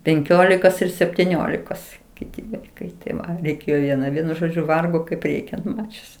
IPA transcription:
pʲɛŋʲˈkʲoːlʲɪkoːs ɪr sʲɛpʲtʲɪˈnʲoːlʲɪkoːs ˈkʲɪtʲɪ ˈʋɐɪkɐɪ tʲɪˈʋɐ rʲɛɪˈkʲeːjoː ʋʲiɛˈnɐ ˈʋʲiɛnʊ ˈʒoːd͡ʒʲʊ ˈʋɐrɡoː kɐɪp ˈrʲɛɪkʲɛnt ˈmɑːt͡ʃʲʊs

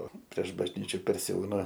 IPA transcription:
oː pʲrʲiɛʃ bɐʒʲˈnʲiːt͡ʃʲʊ pʲɛrʲsʲɪˈɐʊnɐ

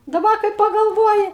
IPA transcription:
dɐˈbɐ kɐɪ pɐɡɐlˠˈʋoːjɪ

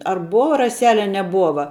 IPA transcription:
ɐr ˈboːʋɐ rɐˈsʲæːlʲɛ ɐ nʲɛˈbuɔʋɐ

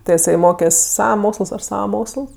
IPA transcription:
ˈtɜ ɪˈsɐɪ ˈmoːkʲɛsʲ ˈsɑːʋɐ ˈmoːksəlˠs ˈɐʃ ˈsɑːʋɐ ˈmoːksəlˠs

